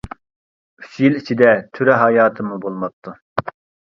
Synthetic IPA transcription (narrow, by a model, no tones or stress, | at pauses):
y̥sjilit͡ʃʰid̪ɛt̪ʰyɾɛɦɑjɑːt̪ʰɨmubolˠmɑp̚t̪ʰːu